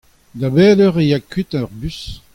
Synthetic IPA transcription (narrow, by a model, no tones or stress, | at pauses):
dabɛːlœʁejakyt̪aʁbys